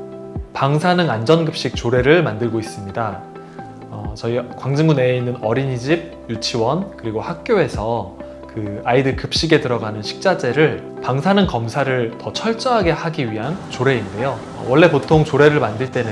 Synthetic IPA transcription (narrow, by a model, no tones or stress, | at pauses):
paŋsʰanɯnand͡ʑʌnɡɯp̚ɕ͈ik̚t͡ɕ͈oɾe̞ɾɯɭmandɯɭɡois͈ɯmɲida | ʌt͡ɕʌikwaŋd͡ʑiŋɡuneinːɯnʌɾiɲid͡ʑib̚ | jut͡ɕʰiwʌnkɯɾiɡohak̚k͈joe̞sʰʌ | kɯaidɯkɯp̚ɕ͈iɡe̞dɯɾʌɡanɯnɕʰi̥k̚t͡ɕ͈ad͡ʑe̞ɾɯɭpaŋsʰanɯnkʌmsʰaɾɯɭtʌt͡ɕʰʌɭt͡ɕ͈ʌɦaɡe̞haɡiɥiɦant͡ɕoɾe̞inde̞jo̰ | wʌɭːe̞potʰoŋt͡ɕoɾe̞ɾɯɭmandɯɭt͈e̞nɯ